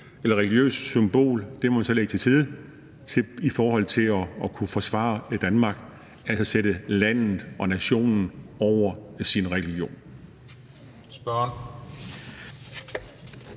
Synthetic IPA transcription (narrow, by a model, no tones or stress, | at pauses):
elɐʁɛlɡ̥jø̰ːssymb̥o̝̰ːld̥e̝hɑmænsɒ̽le̝ɡ̥t͡sʰe̝siðˠ | t͡sʰe̝ifɒːɦɒ̽l̰t͡sʰe̝lɒ̽ːkʰufɒ̽sʋɑ̰̈ːd̥ænmɑ̈ɡ̥ | ælsɐseɾəlæn̰ð̩ˠʔɒ̽næɕo̝̰ːnn̩ɒʊ̰ɐsinʁɛlɡ̥jo̝̰ːn | sb̥ɶn